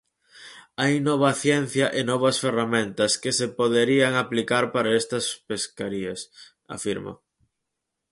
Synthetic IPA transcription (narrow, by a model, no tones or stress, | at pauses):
ajnɔβ̞ɐθjɛn̟θjɐʔenɔβɐsferamẽnt̪ɐskesepoðeɾiɐŋaplikaɾpaɾaest̪ɐspeskaɾiɐs | a̰fiɾmo̰